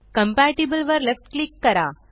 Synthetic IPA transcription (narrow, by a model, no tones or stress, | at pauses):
kɐmpæːʈibəlʋəɾlefʈklikːɐɾa̰ː